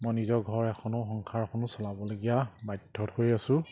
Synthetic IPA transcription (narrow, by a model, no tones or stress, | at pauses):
mɔjnizɔɹɡʱɔɹɛkʰɔnʊxɔŋkʰaɹkʰɔnʊsɔlabɔloɡijabajdʱːɔtkoɹiasʊ̃